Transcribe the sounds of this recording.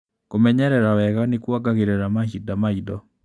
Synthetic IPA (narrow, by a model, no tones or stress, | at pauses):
komɛɲɛɾɛɾawɛɣanɪkwaɡaɣeɾɛɾamahidamaidɔ